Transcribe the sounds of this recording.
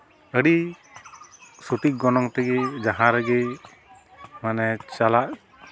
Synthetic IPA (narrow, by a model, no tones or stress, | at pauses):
əɽi | suʈiʔ̚ɡɔnɔŋt̪ɛɡed͡ʒaɦãɾɛɡe | manɛt͡ʃalaʔ